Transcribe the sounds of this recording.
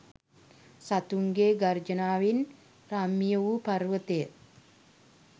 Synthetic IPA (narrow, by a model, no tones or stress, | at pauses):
sat̪uŋɡeːɡard͡ʒənaːʋin | ramːijəʋuparʋət̪ejt̪